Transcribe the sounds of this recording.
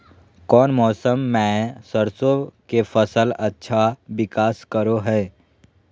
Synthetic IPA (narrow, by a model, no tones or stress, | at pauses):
kɔːnmɔːsəmːɛ̃səɾsokefəsəlɐtːʃʰaʋɪkaːskəɾoɦɛː